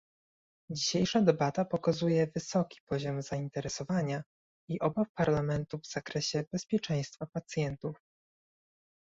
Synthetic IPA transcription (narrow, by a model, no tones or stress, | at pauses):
d͡ʑiɕejʂad̪ɛbat̪apɔkazujɛvɘsɔkʲi̥pɔʑɔmzaint̪ɛɾɛsɔvaɲa | iʔɔbafpaɾlamɛnt̪uvz̥akɾɛɕɛbɛspʲjɛt͡ʂɛ̃j̃st̪fapat̪sʲjɛnt̪uf